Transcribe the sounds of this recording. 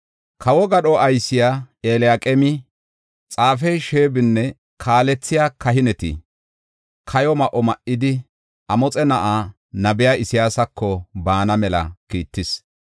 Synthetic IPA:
kʰɐwɔɡɐɗɔɐjsɪja | eːlɪjakʼɛmɪ | t͡sʼaːfɛjʃeːbɪnːɛ | kʰaːlɛt͡sːɪjaːkɐɦɪnɛt̪ɪ̰ | kʰɐjɔmɐʔɔmɐʔːɪd̪ɪ | ɐmɔt͡sʼɛnɐʔaː | nɐbɪjaːɪsɪjaːsɐkʰːɔbaːnɐmɛlɐ̰kiːt̪ːɪs

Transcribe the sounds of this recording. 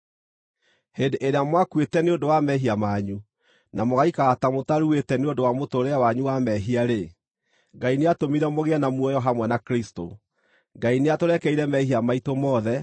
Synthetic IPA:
hendeʔeɾeamwakwetɛneondowamɛɦiamaːɲu | namoɣaikaːtamotaɾuetɛneondowamotoɾɛawaɲuwamɛɦiaɾe | ŋɡaineatomiɾɛmoɣeanamwɔjɔɦamwɛnakɾisto̰ | ŋɡaineatoɾɛkɛiɾɛmɛhiamaitomɔðɛ

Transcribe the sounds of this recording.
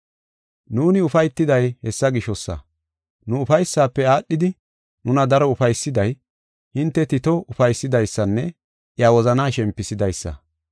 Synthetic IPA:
nuːnɪʊfɐjt̪ːɪd̪ɐjhɛsːɐɡɪʃɔsːɐ̰ | nʊːfɐjsːaːpːɛaːɗːɪd̪ɪ | nʊnɐd̪ɐɾɔʊfɐjsːɪd̪ɐj | hɪnt̪ːɛt̪ɪt̪ɔʊfɐjsːɪd̪ɐjsːɐnːɛ | ʔɪjaːwɔzɐnaːʃɛmpːɪsɪd̪ɐjsːɐ̰

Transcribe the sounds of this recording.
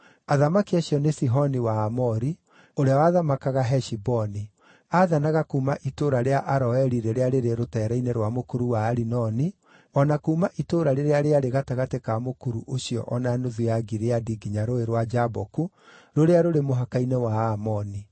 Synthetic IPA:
aðamakiaɕiɔnesiɦɔniwaːmɔɾi | oɾeawaðamakaɣaɦɛʃibɔni | aðanaɣakuːmaʔitoːɾaɾeaʔaɾɔɛɾiɾeɾeaɾeɾeɾotɛːɾaineɾwamokuɾuwaːɾinɔni | ɔnakuːmaʔitoːɾaɾeɾeaɾeaɾeɣataɣatekamokuɾuʔoɕijɔ̰ʔɔnanoðuaɡiɾeadiɡiɲaɾoeɾwad͡ʒabɔku | ɾoɾeaɾoɾemoɦakainewaamɔni

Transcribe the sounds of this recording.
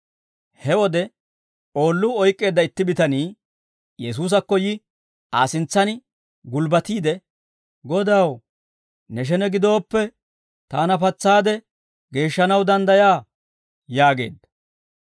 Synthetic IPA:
hɛwɔd̪ɛ | o̞ːlːʊɔjkʼːe̞ːd̪ːɐɪt̪ːɪbɪt̪ɐniː | jɛs̬uːs̬ɐkːɔjɪ | aːsɪnt͡sːɐnɪ | ɡʊlbɐt̪iːd̪ɛ | ɡɔd̪ɐw | nɛʃ̬ɛnɛɡɪd̪o̞ːpːɛ | t̪aːnɐpɐt͡sːaːd̪ɛ | ɡe̞ːʃːɐnɐwd̪ɐnd̪ɐjaː | jaːɡe̞̰ːd̪ːɐ̥

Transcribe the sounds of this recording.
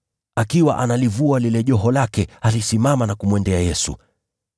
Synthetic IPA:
akiwa̰ʔanalivualilɛʄɔɦɔlakɛhalisimamanakumwɛndɛajɛsṵ

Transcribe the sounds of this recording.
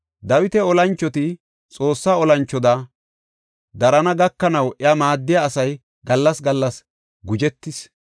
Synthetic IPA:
d̪ɐwɪt̪ɛɔlɐnt͡ʃːɔt̪ɪ | t͡sʼo̞ːsːaːɔlɐnt͡ʃːɔd̪ɐ | d̪ɐɾɐnɐɡɐkːɐnɐwʔɛɐmaːd̪ːɪjaːsɐj | ɡɐlːɐsɡɐlːɐs | ɡʊd͡ʒɛt̪ːɪs

